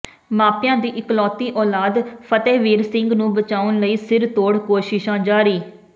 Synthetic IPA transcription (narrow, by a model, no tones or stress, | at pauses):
maːpjãːd̪iːʔɪklɔːt̪iːʔɔːlaːd̪pʰət̪eːʋiːɾsɪŋɡnũːbət͡ʃaːʊnləiːsɪɾt̪oːɽkoːʃɪʃãːd͡ʒaːɾiː